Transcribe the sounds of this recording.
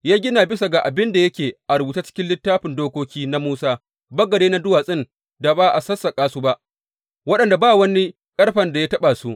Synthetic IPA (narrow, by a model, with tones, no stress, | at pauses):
jaː˦ɡʲɪ˦na˨bɪ˦sa˨ɡa˨ʔa˨bɪ˦nda˨jɐ˦kʲeː˨ʔa˨ɾʊ˨bu˨ta˦t͡ʃɪ̥˦kʲɪ˦nlɪ˦tːaː˦ɸɪ˨ndoː˦kʷoː˦kʲiː˦na˦muː˦saː˦ | bɐ˦ɡɐ˨deː˦na˦dʊ˦waː˨sʼɪ˦n | da˨baː˦ʔa˨sɐ˦sːa˨kʼaː˦suː˦ba˦ʔ | wɐ˦ɗɐ˨nda˨baː˦wɐ˦ni˦ | kʼɐ˦rɸɐ˨nda˨jaː˦tɐ˦ɓa˨su˦ʔ